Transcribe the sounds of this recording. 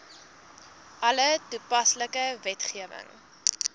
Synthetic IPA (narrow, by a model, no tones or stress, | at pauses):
ʔɐlətupɐsləkəvɛtχiəvə̰ŋ